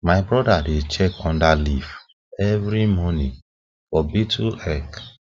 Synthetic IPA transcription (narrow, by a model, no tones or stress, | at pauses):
majbɹɔdadet͡ʃɛkɔ̃ndalif | ɛvɾimɔ̃nĩ | fɔbituɛk